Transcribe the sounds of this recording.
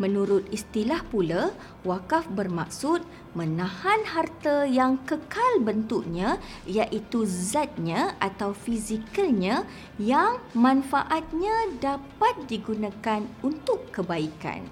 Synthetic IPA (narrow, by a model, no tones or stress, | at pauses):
mə̃nuɾʊt̪̚ist̪ilahpula | wakafbərma̰k̚sʊt̪̚ | mə̃nãhanhart̪əjaŋkəkalbənt̪uʔɲã | jaʔit̪uzat̪̚ɲãʔat̪awfizikalɲã | jaŋmãnfa̰ʔat̪̚ɲãdapat̪̚diɡunãkanunt̪ʊkːəbaika̰n